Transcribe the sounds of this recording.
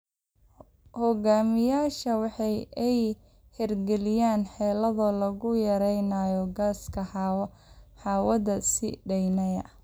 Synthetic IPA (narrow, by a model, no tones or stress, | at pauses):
hɔɣaːmɪjaːʃɐwɑħɑjɛj | hɛrɡɛlɪjaːnħɛːlɐðɐlɐɣʊjɐɾɛjnajɔɡaːskʰɐħɑ | ħɑːwɐðɐsɪ̰ɖɛjnɐjɐ̰